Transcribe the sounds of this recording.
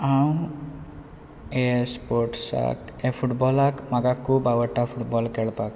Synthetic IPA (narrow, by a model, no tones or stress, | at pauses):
aw̃ | espoɾʈsa̰kepʰuʈbɔlakmaɡakubawɔʈːapʰuʈbɔlkeɭpak